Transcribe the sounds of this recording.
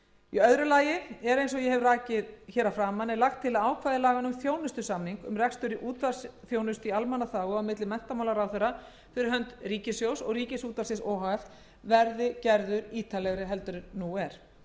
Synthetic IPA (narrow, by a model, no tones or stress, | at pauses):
iœðɾʏlaːjɪɛɾejnsɔjɛhɛvraːcɪðçɛːɾafɾaːmanːɛlaxt̪ʰːɪlaaːwkʰvajðɪlaːɣanʏmθjoːwnʏst̪ʏsamniŋkʏ̰mrɛkst̪ʏɾɪʔuːt̪vasθjoːwnʏst̪ialmanːaθaːɣʏawmɪt̪lɪmɛn̥t̪amawlaɾawθeɾa | fɪɾɪɾɦœnt̪riːcɪsjowsɔɣriːcɪsuːt̪asɪsɔːhaɛθ | vɛɾðɪcɛɾðʏɾiːt̪ʰalɛɣɾɪɦɛl̪t̪ʏɾɪɾnuɛɾ̥